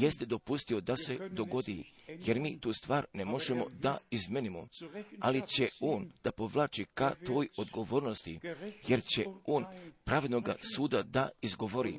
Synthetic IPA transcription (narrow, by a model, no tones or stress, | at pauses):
jest̪ed̪o̞pust̪io̞d̪ase̞d̪o̞ɡo̞d̪ije̞ɾmiːt̪uːst̪ʋaːɾnemo̞ʒemo̞̰d̪aizmenimo̰a̰lit͡ɕe̞o̞ːnd̪̥apo̞ʋlˠaːt͡ʃikat̪o̞ːjo̞d̪ɡo̞ʋo̞ːɾno̞st̪ije̞ɾt͡ɕe̞o̞ːnpɾaːʋed̪noɡa̰suːd̪ad̪aizɡo̞ʋo̞ɾḭ